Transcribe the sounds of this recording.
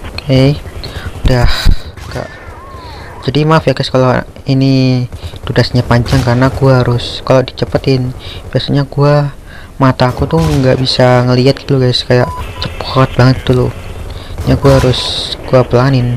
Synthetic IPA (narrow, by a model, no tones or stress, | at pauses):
e | udahɡa̰ʔ | d͡ʒadimafjakajskala | ini | tudasɲapaɲt͡ʃaŋkaɾənaɡuaɦaɾʊskalodit͡ʃəpət̪ɪnb̥iasaɲaɡua | mat̪akut̪ʊhŋɡaʔbisaŋəliat̪̚ɡit̪luɡajskajaʔt͡ʃəpɔt̪̚baŋət̪ːulʊ̰ | jaɡuaɦaɾʊsɡ̥uapəlaŋanɪn